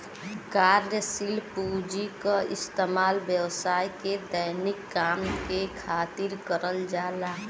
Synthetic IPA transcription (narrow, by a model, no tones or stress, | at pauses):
kaːɾjəsilpud͡ʒikaɪst̪emaːlʋjəwsaːiked̪əjnɪkːaːmkekʰaːt̪ɪɾkəɾəld͡ʒaːlaː